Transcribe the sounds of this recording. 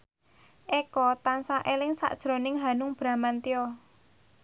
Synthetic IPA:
ʔekɔt̪ansaʔelɪŋsa̰ʔd̥ʒ̥ɾo̤nɪŋɦanʊŋb̥ɾa̤mant̪ijɔ

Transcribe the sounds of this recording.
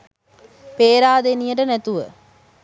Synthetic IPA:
peːɾaːd̪enijəʈənɛt̪uʋə

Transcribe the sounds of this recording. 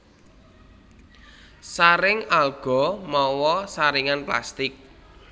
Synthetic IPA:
saɾɪŋalɡ̥ɔ̤mɔwɔsaɾiŋanpla̰st̪ɪk̚

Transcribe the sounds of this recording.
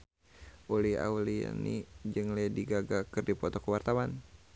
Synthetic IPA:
ʔulia̰ulia̰nḭd͡ʒɨŋlɛdiɡaɡakɨrdipɔt̪ɔkəwart̪awan

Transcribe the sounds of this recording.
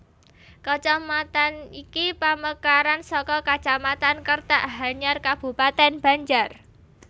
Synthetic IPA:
kət͡ʃɔmat̪anikipaməkaɾansɔkɔkḁt͡ʃamat̪ankərt̪aʔɦaɲarkab̥ṳpat̪ɛnb̥a̤ɲd͡ʒar

